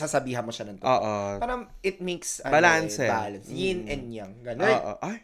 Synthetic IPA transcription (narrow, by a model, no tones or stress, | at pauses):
sasɐbiːɦɐnmoʃɐnɐŋt̪oːʔopɐɾɐʔɪt̪̚meksbɐlansɛbalɐnsjɪnʔɛnjɐŋɡɐnonʔo̰ʔoj